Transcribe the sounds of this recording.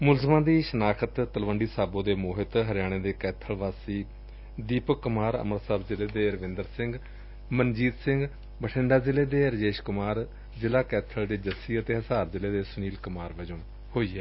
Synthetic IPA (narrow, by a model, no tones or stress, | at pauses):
mʊlzmãːd̪iːʃənaːkʰət̪t̪əlʋəɳɖiːsaːbõːd̪eːmoːɦɪt̪ɦəɾɪjaːɽ̃eːd̪eːkɛːt̪ʰəlʋaːsiː | d̪iːpkʊmaːɾə̰məɾsaːbzɪleːd̪eːɾəʋɪ̃nd̪əɾsɪ̃ŋɡ | mənd͡ʒiːd̪sɪ̃ŋɡ | bəʈʰɪ̃ɳɖaːzɪleːd̪eːɾəd͡ʒeːʃkʊmaːɾ | zɪlaːkɛːt̪ʰəld̪eːd͡ʒəsiːət̪eːɦəsaːɾzɪleːd̪eːsʊniːlkʊmaːɾʋəd͡ʒõː | hoːiːɛː